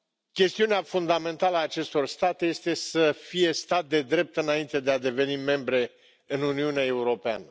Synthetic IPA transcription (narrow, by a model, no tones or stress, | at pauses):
kʲe̞st̪iuneafund̪ame̞nt̪aləaːt͡ʃe̞st̪o̞rst̪at̪eje̞st̪e̞səfije̞st̪at̪̚d̪e̞d̪ɾe̞p̚t̪ɨnaint̪e̞d̪e̞ad̪e̞ve̞nime̞mbɾe̞ | ɨnuniuneae̞uɾo̞pea̰nə